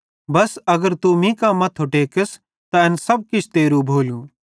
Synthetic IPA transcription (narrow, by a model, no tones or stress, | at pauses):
bɐsɐɡəɾt̪umĩːkaːmɐt̪ʰɦʊʈeːkɪs | t̪ɐɛnsɐb̚kɪt͡ʃʰt̪eːɾũbʱoːljũː